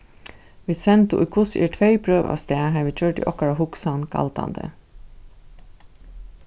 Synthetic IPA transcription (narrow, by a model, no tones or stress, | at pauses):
ʋɪːsɛnt̪ʊ̰ʔḭkʰʊsḭːʈʰʋœɪpʰɾøːʋɑ̰ːʋst̪eːɦɑːɾʋiːc͡çøːʈḭːʔɔkɑɾahʊksɑnkʰɑ̰lt̪ɑ̰nd̪ə̰